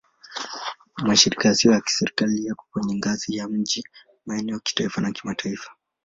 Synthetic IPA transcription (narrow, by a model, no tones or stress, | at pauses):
maʃiɾikajasiɔjaki̥sɛɾikalijaku̥kwɛɲɛŋɡazijam̩d͡ʒi | maɛnɛɔaki̥taifanakimatʰaifḁ